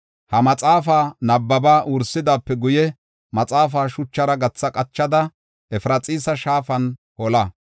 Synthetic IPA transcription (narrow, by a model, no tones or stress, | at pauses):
hɐmɐt͡sʼaːfaːnɐbːɐbaːʔʊɾsɪd̪aːpːɛɡʊjɛ | mɐt͡sʼaːf̬aːʃʊt͡ʃːɐɾɐɡɐt͡sːɐkʼɐt͡ʃːɐd̪ɐ | ɛfɾɐt͡sʼiːsɐʃaːfɐn | hɔlɐ